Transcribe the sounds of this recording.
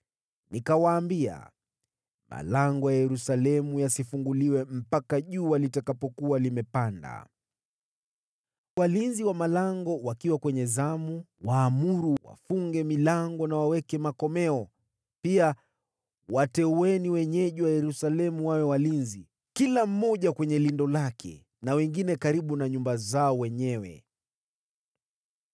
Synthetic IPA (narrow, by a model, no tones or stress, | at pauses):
nikawaːmbia̰ | ma̰laŋɡɔjajɛɾusalɛmujasifuŋɡuliwɛm̩pakaʄuːwalitakapɔkualimɛpanda̰ | walinziwamalaŋɡɔwakiwakwɛɲɛzamu | waːmuɾuwa̰fuŋɡɛmilaŋɡɔnawawɛkɛmakɔmɛɔ | pia | watɛuwɛniwɛɲɛʄuwajɛɾusalɛmuwawɛwalinzi | kilam̩ːɔʄakwɛɲɛlindɔlakʰɛ̰ | nawɛŋɡinɛkaɾiɓunaɲumbazaɔwɛɲɛwɛ̰